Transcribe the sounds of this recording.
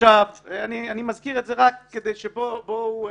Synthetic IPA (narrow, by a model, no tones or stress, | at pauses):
avanianimazkiʁetzeʁakːed̪ejʃebobo